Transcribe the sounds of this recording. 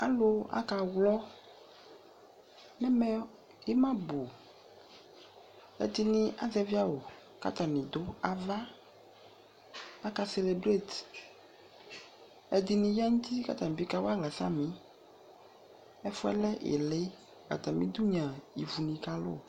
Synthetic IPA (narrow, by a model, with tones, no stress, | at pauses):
a˨lo˦a̰˦ka˨wlɔ˦ | nɛ̃˦mɛ˦ | e˦mã˦bo˨ | ɛ̰˦d̪i˦nĩ˦ʔa̰˦zɛ˦vi˦a˦wo˨ | ka̰˦t̪a˨nĩ˨d̪o˦a˨va˦ | a˦ka˦se˨le˨bɾe˦˨t̪ | ɛ˦d̪i˨nĩ˨ja˦ŋũ˦t̪i˦ka̰˦t̪a˨nĩ˨bi˦ka˦wo˦a˦ɡla˨sa̰˦mĩ˦ | ɛ˦fɔ˦ɛ̰˦lɛ˦ʔḛ˨le˦ | ba̰˨t̪a˨mĩ˦d̪u˦ɲã˨i˨vu˨nĩ˨ka˦lo̰˦˨